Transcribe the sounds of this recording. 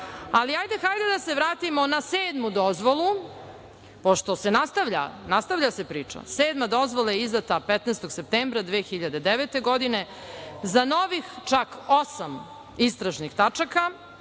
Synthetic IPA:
aliajd̪exajd̪ed̪aseʋɾaːt̪imo̞naseːd̪mud̪ozʋolˠu | poʃt̪o̞se̞nast̪aʋʎa̰nast̪aʋʎase̞pɾiːt͡ʂa̰seːd̪mad̪o̞zʋolajeizd̪at̪apet̪nejst̪o̞ɡsep̚t̪eːmbɾad̪ʋeːxiʎad̪ed̪eʋet̪e̞ɡod̪ine | zanoʋixt͡ʃakosam | ist̪ɾaʒnixt̪at͡ʂaka

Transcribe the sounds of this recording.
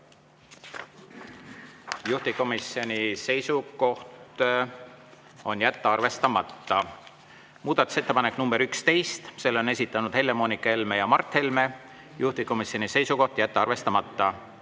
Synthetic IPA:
juht̪iko̞misjo̞nʲise̞jsuko̞ht̪ | o̞njæt̪ːɑrve̞st̪ɑmɑt̪ːɑ | muːd̪̥ɑt̪ːˑu̥se̞t̪ːe̞pɑnekːnumb̥e̞ɾykst̪e̞jst̪se̞lːone̞s̬ʲit̪ːˑɑnud̪̥he̞lːe̞mo̞nikːˑɑe̞lmejɑmɑrt̪ːˑhe̞lme̞ | juht̪iko̞misio̞nise̞jsuko̞ht̪jæt̪ˑːɑɑrve̞st̪ɑmɑt̪ˑːɑ

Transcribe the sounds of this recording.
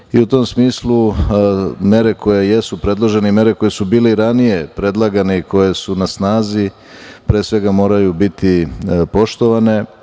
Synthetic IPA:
iut̪o̞ːmsmiːslˠu | me̞ɾe̞ko̞je̞je̞supɾe̞d̪lˠo̞ʒe̞neime̞ɾeko̞je̞subiːleiɾanije̞pɾe̞d̪lˠaɡaneiko̞je̞sunasnaːzi | pɾe̞ːsʋe̞ɡamo̞ːɾajubit̪ipo̞ʃt̪o̞ʋane̞

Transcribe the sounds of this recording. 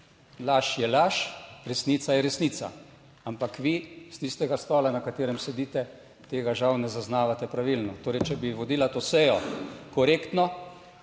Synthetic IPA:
laʃjɛlaʃɾɛsnit̪sajɛɾɛsniːt̪sa̰ | ampakʋist̪ist̪ɛɡast̪ɔːlanakat̪eːɾɛmsɛd̪iːt̪ɛ | t̪eːɡaʒawnɛzaznaːʋat̪ɛpɾaʋilnɔt̪oːɾɛjt͡ʃɛbiʋɔd̪iːlat̪osɛjɔkɔɾeːkt̪nɔ

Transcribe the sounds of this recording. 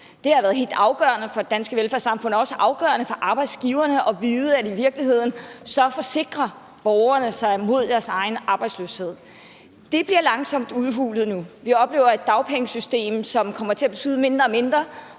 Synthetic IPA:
d̥e̝hɑ̈ʋæːɐð̞ˠɦe̝̰ld̥ɑ̈ʊɡ̥ɶ̰ɐnəfɒ̽d̥e̝d̥ænsɡ̥əʋelfæɐ̰sɑ̈mfɔ̽n̰ɒɒ̽səʔɑ̈ʊɡ̥œɐnəfɒ̽ʔɑ̈ːb̥ɑ̈ɪd̥sɡ̥iʊɐnəʔɒ̽ʋiːð̩ˠəædiʋiɐɡ̥lihe̝ð̞̰ˠn̩sɒ̽fɒ̽se̝ɡ̥ʁɐ | b̥ɒʊɐnəsɑ̈ɪmo̝ð̞̰ˠd̥æɐsɑ̈ɪnʔɑ̈ːb̥ɑɪdslø̰she̝ð̞̰ˠ | d̥e̝b̥liɐlɑ̈ŋsɒ̽m̰d̥uðˠɦuːləð̩ˠnuʋiɒ̽b̥le̝̰ːʊɐe̝d̥ːɑ̈ʊpʰeŋəsysd̥e̝̰ːmsɒ̽mkʰɒ̽m̰ɐt͡sʰe̝æb̥e̝t͡sʰyːð̞̩ˠme̝nd̥ʁɐːme̝nd̥ʁɐ

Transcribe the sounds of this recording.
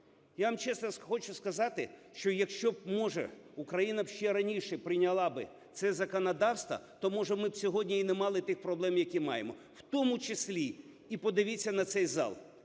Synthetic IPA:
jaʋɐmt͡ʃɛslɔxɔt͡ʃʊskɐzɑt̪ɪʃt͡ʃɔjɐkʃt͡ʃɔbmɔʒɛ̰ | ukɾɐjinɐʃt͡ʃɛɾɐnʲiʃɛpɾɪnʲɐlˠɑbɪ | t̪sɛzɐkɔnɐd̪ɑwst̪ʋɐ̰t̪ɔmɔʒɛmɪbsʲɔɦɔdʲnʲiinɛmɑlˠɪt̪ɪxpɾɔblˠɛmjɐkʲimɑjemɔ | wt̪ɔmʊt͡ʃesʲlʲi | ipɔd̪ɪʋʲit͡sʲːɐnɐt̪sɛjzɑ̰lˠ

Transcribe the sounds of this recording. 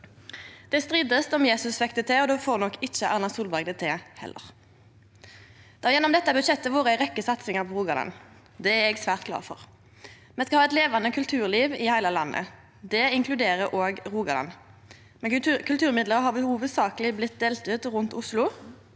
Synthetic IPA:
d̪̥ɛst̪ʁiːd̪əst̪ɔmjeːsʉsʋɛkt̪ət̪ʰɛːɔd̪ɛfoːʁnɔkːɪt͡ʃːəʔɑʁnɑsuːlbɑɡd̪ət̪ʰeːhɛ̰lːʔə̰ʁ | d̪̥ɑːjɛnːɔmd̪ɛt̪ːəbʉt̪ʃɛt̪ːəʋuːʁəɪʁɛkːəsɑt̪sɪŋəʁpʰɔʁuːɡɑl̰n | d̪ɛæɛɡsʋæːʁt̪kʰlɑ̰ːʁfɔ̰ʁ | mɛnskɑhɑːɛɪt̪leːʋɑnəkʰʉlt̪ʰʉːʁliːʋɪhæɪləlɑ̰nːə̰ | d̪ɛɪŋkʰlʉd̪eːʁəʔoːɡʁuːɡɑlɑ̰n | mɛnkʰʉlt̪ʰʉːʁmɪd̪ləʁəhɑːʁbəhuːʋəd̪sɑːkəlɪblɪt̪̚d̪eːlt̪ʉːt̪ʁʉnt̪ʊslʊ

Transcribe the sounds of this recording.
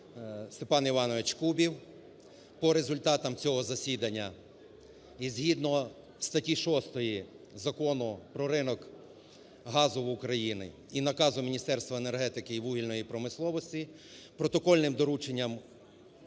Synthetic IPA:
st̪epɑniʋɑnɔʋet͡ʃkubʲiw | pɔɾe̞zʊlʲt̪ɑt̪ɐmt͡sʲɔɦɔzɐsʲid̪ɐnʲːɐ | izʲɦid̪nɔ | wst̪ɐtʲiʃɔst̪ɔji | zɐkɔnʊpɾɔɾɪnɔk | ɦɑzʊwʊkɾɐjinɪ̰ | inɐkɑzʊmʲinʲist̪ɛrst̪ʋɐene̞rɦɛt̪ɪkɪiʋuɦʲilʲnɔjipɾɔmɪslˠɔʋɔsʲtʲi | pɾɔt̪ɔkɔlʲnɪmd̪ɔɾut͡ʃenʲːɐm

